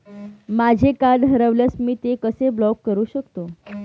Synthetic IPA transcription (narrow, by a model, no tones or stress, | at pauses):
mad͡ʑʱekad̪ɦəɾəʋljasmiːt̪ekəseblɔkːəɾuːɕəkt̪o